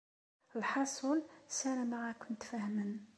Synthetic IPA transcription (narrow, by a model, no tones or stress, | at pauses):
əlħɑsˤulsænæmaʁækʊnt̪fæhmən